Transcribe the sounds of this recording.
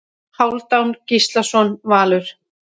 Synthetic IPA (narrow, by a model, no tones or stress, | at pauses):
hawlt̪awncist̪lasɔnvaːlʏɾ̥